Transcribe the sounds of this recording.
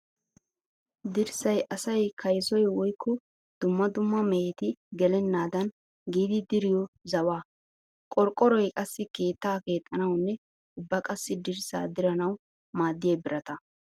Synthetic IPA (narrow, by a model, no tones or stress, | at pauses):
d̪ɪɾsɐjʔɐsɐjkʰɐjsɔjwɔjkʰːɔ | d̪̥ʊmːɐd̪ʊmːɐmɛɛt̪ɪɡɛlɛnːaːd̪ɐn | ɡiːd̪ɪd̪ɪɾɪjɔzɐwaː | kʼɔɾkʼːɔɾɔjkʼɐsːɪke̞ːt̪ːaːke̞ːt̪ʼːɐnɐwnːɛ | ʊbːɐkʼɐsːɪd̪ɪɾsa̰ːd̪ɪɾɐnɐw | maːd̪ːɪjeːbɪɾɐt̪ɐ